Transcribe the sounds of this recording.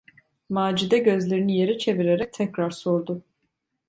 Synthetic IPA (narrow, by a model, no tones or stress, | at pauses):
maːd͡ʒid̪ɛɟø̞zlʲe̞ɾinije̞ɾit͡ʃʰe̞viɾe̞ɾɛc̚t̪ʰɛcɾaɾsoɾd̪ʊ